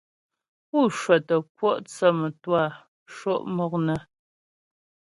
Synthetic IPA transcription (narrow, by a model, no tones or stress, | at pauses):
uʂʷɐtɐkʷʰɔʔt͡sʰɐmɨtwaː | ʂoʔmɨʁnɐ